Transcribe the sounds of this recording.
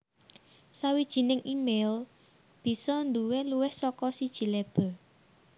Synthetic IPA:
sawid̥ʒ̥i̤nɪŋʔimel | b̥i̤sɔnd̪uweluwɪhsɔkɔsid̥ʒ̥i̤leb̥ɔ̤

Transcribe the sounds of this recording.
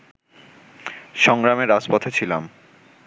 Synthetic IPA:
ʃɔŋɾameɾad͡ʑpɔt̪ʰet͡ɕʰilam

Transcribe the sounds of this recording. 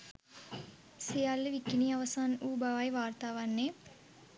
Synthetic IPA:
sejalːəʋikiniaʋəsaːnuːbaʋajʋaːrt̪aːʋanːe

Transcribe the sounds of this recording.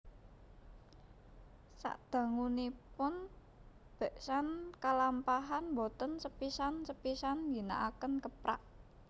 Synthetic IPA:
sa̰ʔd̪̥ä̤ŋunipʊn | b̥ɛ̤ʔsankalampaɦanbot̪ənsəpisansəpisandi̤na̰ʔakənkəpɾa̰ʔ

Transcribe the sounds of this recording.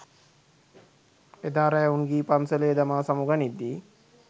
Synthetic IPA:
ed̪aːɾajaunɡiːpansəlejed̪amaːsamuɡanid̪ːi

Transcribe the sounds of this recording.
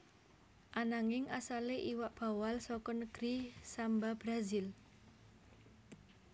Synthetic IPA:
ʔanaŋɪŋʔasaleʔiwaʔb̥a̤walsɔkɔnəɡ̥ɾisambab̥ɾazil

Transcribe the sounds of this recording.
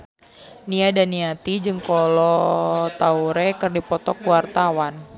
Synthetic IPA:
niadaniat̪id͡ʒɨŋkɔlɔt̪auɾɛkɨrdipɔt̪ɔkuwart̪awan

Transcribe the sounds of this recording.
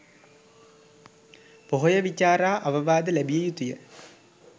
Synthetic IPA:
poɦojəʋit͡ʃaːɾaːʔaʋəʋaːd̪əlæbijejut̪ujə

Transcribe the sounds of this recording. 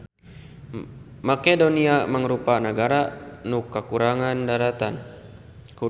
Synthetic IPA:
makedoniaməŋɾupanəɡaɾanukːəkuɾaŋandaɾat̪an | ku

